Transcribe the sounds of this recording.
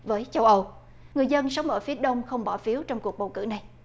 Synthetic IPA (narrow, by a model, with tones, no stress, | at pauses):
vəː˨˦jt͡ɕə˧wʔə˧w | ŋɨ˨˩əjzə˧nsa˨˦wŋ͡mʔəː˧˩fi˨˦əɗə˧wŋ͡mxə˧wŋ͡mɓɔ˧˩fi˨˦əwt͡ɕɔ˧wŋ͡mku˨˩ək̚ɓə˨˩wkɨ̰˧˩na˨˩j